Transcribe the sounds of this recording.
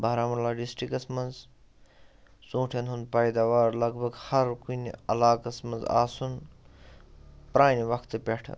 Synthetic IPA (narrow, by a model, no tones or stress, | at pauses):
bɐɦɾaːmɐlaːɖisʈɾikɐsmɐnz | sũːʈʰɐnɦunpɐjd̪aːʋaːɾlɐɡbʱɐɡhɐɾkunɐ̰laːkɐsmɐnza̰ːsun | pɾaːniʋɐkʰt̪ɨpʲeʈʰ